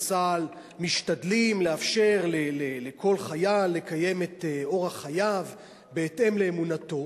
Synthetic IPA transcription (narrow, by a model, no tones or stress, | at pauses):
t͡sal | miʃtadlimleafʃe̞ʁlelelekʰo̞lχajalːe̞kaje̞meteo̞ʁhaχajav | beːte̞mle̞ːmunato̞